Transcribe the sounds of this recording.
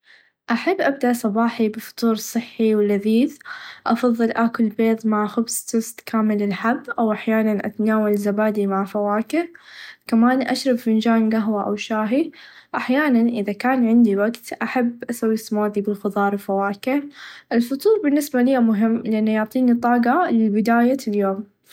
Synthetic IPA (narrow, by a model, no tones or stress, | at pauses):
ʔaħabːʔab̚d̪aʔsˤɑbɑːħibɪfɑ̥t̪ˤuːɾˤsˤɨħːiwɪlːaðiːθʔɑfɑðˤːɨlʔakʊlbeːt̪ˤmaʕxʊbsˤt̪ʊst̪kaːmɪlɪlħabːʔawʔaħjaːnanʔa̰t̪anaːwalzabaːd̪imaʕfawaːkɪɾkamaːnʔaʃɾˤɑbfɪnd͡ʒaːnɡaɦwaʔa̰wʃaːɦiʔaħjaːnanʔɪðakaːnʕɪnd̪iwaɡt̪ʔaħabʔasawːist̪amaːd̪ibɪlxʊðˤɑːɾˤwfawaːkɪhʔɪlfʊt̪ˤuːɾˤbɪnːɪsbalijamʊɦɪmːlɪʔanːajʊʕt̪ˤiːnit̪ˤɑːɡɑlɪlbɪd̪aːjaljoːm